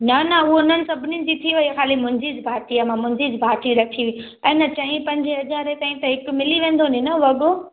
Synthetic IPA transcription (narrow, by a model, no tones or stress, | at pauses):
nɐnɐʊɦoʊnənɪ̆sɐbʱɪnid͡ʑit̪ʰiʋɐixaːlimʊ̃ɪ̃ɲd͡ʑid͡ʑɪbʱaːʈiəmãmʊ̃ɦɪ̃ɲd͡ʑid͡ʑbʱaːʈʰiɾɐʈʰiʋi | ɛ̃ːnɐt͡ɕɐɦĩpɐ̃ɲd͡ʑʱɦɐzaːɾet̪aːĩt̪ɐɦɪkʊmɪliʋẽːnd̪ond̪inɐʋɐɠo